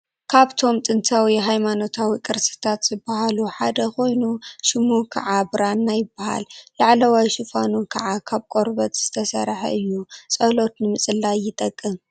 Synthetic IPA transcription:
kʰaβt̪ʰo̞mt̪ʼɨnt̪ʰawiɦajmano̞t̪ʰawikʼɨɾsɨ̥t̪ʰat̪z̥ɨbːahaluħad̪ɐkʰo̞jnuʃɨmukʰɐ̰ʕabɨɾanːajɪbːaha̰lːaʕlɐwajʃɨfanukʰɐʕakʰaβkʼo̞ɾbɐt̪z̥ɨt̪ʰɐsɐ̰ɾħɐ̰ʔɨjːusʼɐlo̞t̪nɨmɨsʼɨlːajɪt̪ʼɐkʼːɨm

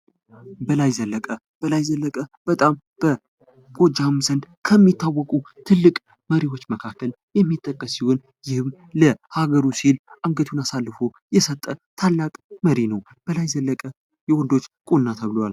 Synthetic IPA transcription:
bəlajzəlːəkʼə | b̥əlajzəlːəkʼəb̥ət̪ʼam | b̥ə | ɡ̥ʼo̞d͡ʒamzənd̪ | kʰəmːit̪ʰːawːɔkʼut̪ʰɨlːɨkʼ | məɾiwo̞t͡ʃːməkʰakʰːəl | jɛmːit̪ʼːəkʼːəsihon | jɪhɨm | ləhaɡəɾusilʔaŋɡət̪ʰunasalːfo̞ | jɛsət̪ʼːət̪ʰalːakʼməɾinəw | b̥əlajzəlːəkʼə | jɛwɔnd̪o̞t͡ʃːkʼonːat̪ʰəβɨlowal

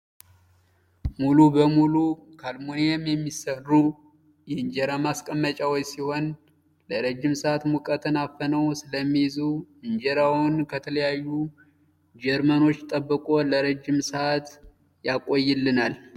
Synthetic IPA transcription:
mulubəmulukʰalmonejɛmjɛmːisərːu | jɛɨɲd͡ʒɛɾamaskʼəmːət͡ʃʼawot͡ʃsiho̞n | ləɾəd͡ʒːɪmsəat̪mukʼət̪ʰɨnafənəwsɨləmːijzuɨɲd͡ʒeɾawʊnkʰət̪ʰələjajːu | d͡ʒɛɾməno̞t͡ʃːt̪ʼəbːəkʼo̞ləɾəd͡ʒːɪmsəat̪ | jakʼojːɪlːɨnal

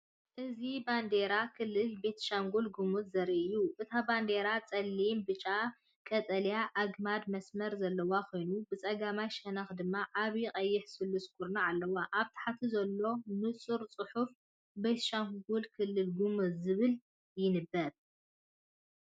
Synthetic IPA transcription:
ʔɨziband̪e̞ɾakʰɨlːɨlbe̞t̪ʰʃaŋɡulɡumɨzɐɾiʔɨjːuʔɨt̪ʰaband̪e̞ɾat͡sʼɐlːimbɨt͡ʃʼa | kʼɐt͡sʼɐljaʔaɡmad̪mɐsmɐɾzɐlːɐwakʰo̞jnubɨt͡sʼɐɡamajʃɐnɐxd̪ɨmːaʔaβjɪqʼɐjːɪħsɨlːuskʰʼuɾnaʕalːɐwaʔaβt̪ʰḁħat̪ʰizɐlːo̞nɨt͡sʼɨɾt͡sʼɨħuf | be̞t̪ʃaŋɡulkʰɨlːɨlɡumɨzɨβɨl | jɪnɨbːɐɾ

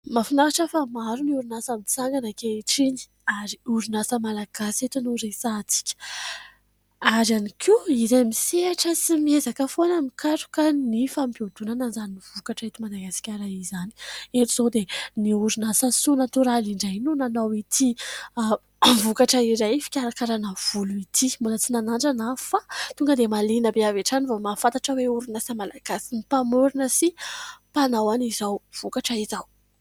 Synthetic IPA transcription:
mafinaɾaʈ͡ʂəfamaɾuniuɾunasamit͡saŋɡanakeʈ͡ʂini̥ | aɾiuɾinasəmalaɡ̥aset̪unuɾesat͡si̥kʲə̥ | aɾanikʰiiɾemiseaʈ͡ʂəsimiezakəfonəmikaʈ͡ʂu̥kanifampiod̪unananzaniniv̥ukaʈ͡ʂet̪imad̪aɡasi̥kʲaɾajizani̥eʈ͡ʂiz̥od̪eniuɾinasasunət̪uɾaliɳɖ͡ʐajnunanawit̪ʰi | vukaʈ͡ʂəiɾajfi̥kʲaɾakaɾanəv̥uluit̪ʰimulat͡sinanaɳɖ͡ʐanafat̪uŋɡəd̪emalinəbeaveʈ͡ʂanivamafant̪aʈ͡ʂəweuɾunasamalaɡ̥asinipamuɾunəsipanawanizawv̥ukaʈ͡ʂaizaw

